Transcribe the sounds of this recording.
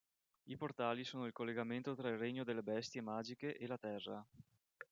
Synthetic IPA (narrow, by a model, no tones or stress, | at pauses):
iport̪aːlisoːnoilkolːeɡament̪ot̪ɾailreɲːod̪elːebɛst̪jemaːd͡ʒikeʔelat̪ɛrːa